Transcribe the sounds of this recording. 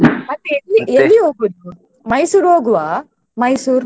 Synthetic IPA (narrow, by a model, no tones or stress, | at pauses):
ɐʈːelːielːiɦoːɡud̪u | mɐjsuːɾoːɡuʋaː | mɐjsuːɾ